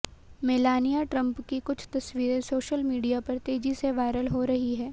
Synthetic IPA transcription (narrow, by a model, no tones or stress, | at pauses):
mɪlaːnijaʈɾɐ̃mpkikʊt͡ʃʰt̪ɐsʋiːɾẽsoːʃəlmiːɖijapɐɾt̪eːd͡ʒiseʋaːɪɾəlɦoɾɐɦiɦɛː